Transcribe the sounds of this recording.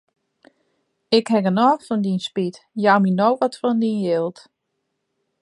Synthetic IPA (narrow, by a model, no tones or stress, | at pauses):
ɪkhɛɡənɔːfɔndinspitjaːminowʋɔtfɔndinjɪlˠt